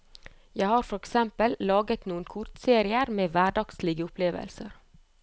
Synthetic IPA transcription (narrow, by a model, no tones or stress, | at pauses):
jæɪhɑːɾfɔɾɛksɛmpəllɑːɡət̪nuːənkʰʊɾt̪seːɾɪəɾmeːʋæɖɑɡslɪɡəʊpʰleːʋə̰lsəɾ